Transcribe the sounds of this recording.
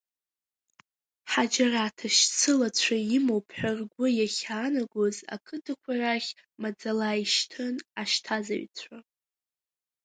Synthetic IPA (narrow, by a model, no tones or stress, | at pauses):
ħad͡ʒaratʰaʃt͡sʰɨlat͡ɕʷʰaimowpʰħʷᶣarɡʷʊjaχʲaːnaɡʷoza̰kʰɨdɨkʷʰaraχʲ | mad͡zalaiʃtʰɨnaʃtʰaza̰ɥt͡sʷʰa